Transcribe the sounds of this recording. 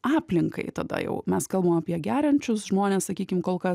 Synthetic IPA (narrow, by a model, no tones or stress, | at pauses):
ɑːpʲlʲɪŋkɐ̰ɪt̪ɐd̪ɐ̰jɛ̰ʊmʲɛskɐlˠbɐmɐpʲiɛɡʲæːɾʲɐnʲt͡ʃʲʊsʒmoːnʲeːssɐkʲiːkʲɪmkoːlˠkɐ